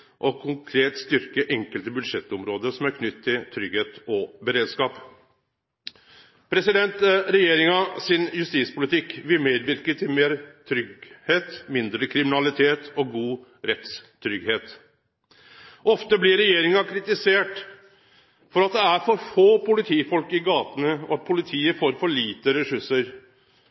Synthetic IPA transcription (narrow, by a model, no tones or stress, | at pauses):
ʔɔkʰʊŋkʰɾeːt̪st̪ʏɾkəʔɛŋkəlt̪əbʉd̪ʂɛt̪ːɔmɾoːd̪əɾsɔmæɾkʰnʏt̪ʰːɪlt̪ʰɾʏɡheːt̪ɔbəɾeːd̪skɑːp | pʰɾɛsɪd̪ɛnt̪ɾɛjeːɾɪŋɑsɪnjʉst̪iːspʊlɪt̪ʰɪkːʋɪlmeːd̪ʋɪɾkət̪ʰɪlmeːɾt̪ʰɾʏɡheːt̪mɪnd̪ɾəkʰɾɪmɪnɑlɪt̪ʰeːt̪ɔɡuːɾɛt̪st̪ʰɾʏɡheːt̪ | ʔɔft̪əblɪɾɛjeːɾɪŋɑkʰɾɪt̪ɪseːʈ | fɔɾɑt̪̚d̪ɛæɾfɔɾfoːpʊlɪt̪ʰiːfɔlkɪɡɑːt̪ənəɔ̰ɑt̪̚pʰʊlɪt̪ʰiːəfoːɾfɔɭiːt̪əɾɛsʉʂəɾ